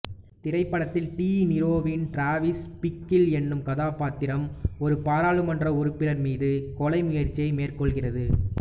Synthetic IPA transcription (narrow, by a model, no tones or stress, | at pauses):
t̪ɪɾɐɪpːɐɽɐt̪ːɪlʈiːnɪɾoːʋɪnʈɾaːʋɪspɪkːɪlɛnːɯmkɐðaːpaːt̪ːɪɾɐmɔɾɯpaːɾaːɭɯmɐndrɐɔɾɯpːɪlɐɾmiːðɯkɔlɐɪmʊjɐɾt͡ʃːiɐɪmeːrkɔɭɣɪrɐðɯ